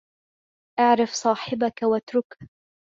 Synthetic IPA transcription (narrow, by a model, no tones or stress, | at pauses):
ʔaʕɾɑfsˤɑːħɪbakawat̪ɾʊkh